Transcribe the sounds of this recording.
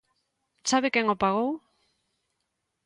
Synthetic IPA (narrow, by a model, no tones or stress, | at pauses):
t͡saβekeŋopaɣow